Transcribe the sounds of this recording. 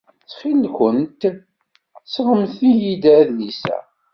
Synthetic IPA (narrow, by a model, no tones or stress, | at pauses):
t͡sːχilkʷənt̪ | sʁəmθijid̪æðlisæ̰